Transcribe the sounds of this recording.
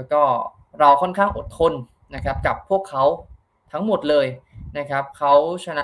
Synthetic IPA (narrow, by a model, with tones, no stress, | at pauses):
kɔː˥˩ | ɾa˧wkʰɔ˥˩nkʰaː˥˩ŋʔo˨˩t̪ʰːo˧n | na˦˥kʰɾa˦˥p̚ka˨˩pʰːu˥˩əkʰːa˦˥w | t̪ʰa˦˥ŋmo˨˩t̪̚lɤː˧jna˦˥kʰɾa˦˥p̚kʰa˦˥wt͡ɕʰa˧na˦˥